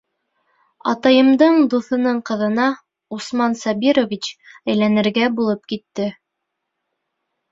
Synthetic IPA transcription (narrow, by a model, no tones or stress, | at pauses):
ɑt̪ɑjɤ̆md̪ɤɴd̪uθɤ̆nɤɴqɤ̆ðɤ̆nɑ | usmɑnsɑbiɾovʲit͡ɕæjlænɘ̆ɾɡæbulˠɤp̚kit̪ːɘ